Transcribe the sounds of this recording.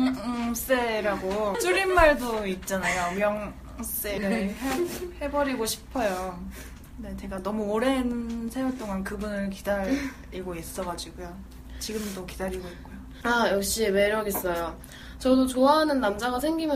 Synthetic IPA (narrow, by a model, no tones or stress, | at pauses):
s͈eɾaɡot͡ɕ͈uɾimːaɭdoit̚t͡ɕ͈anajomjʌŋ | s͈e̞ɾɯɭɦehe̞bʌɾiɡoɕʰi̥pʰʌjo | ne̞t͡ɕe̞ɡanʌmuoɾenɯnsʰejot͈oŋankɯbunɯɭkidaɾ | iɡois͈ʌɡad͡ʑiɡojo | t͡ɕiɡɯmt͈okidaɾiɡoik̚k͈ojo | ajʌk̚ɕ͈ime̞ɾʌɡes͈ʌjo | t͡ɕʌdot͡ɕoaɦanɯnːamd͡ʑaɡasʰeŋɡimjʌ